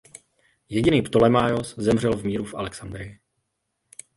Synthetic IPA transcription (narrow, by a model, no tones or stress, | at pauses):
jɛɟɪniːpt̪olɛmaːjoszɛmr̝ɛlvmiːɾufʔa̰lɛksand̪ɾɪɪ